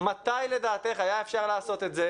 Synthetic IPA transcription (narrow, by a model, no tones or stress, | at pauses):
mat̪ajle̞d̪aːt̪e̞χajaefʃaʁlaːso̞t̪e̞t̪ze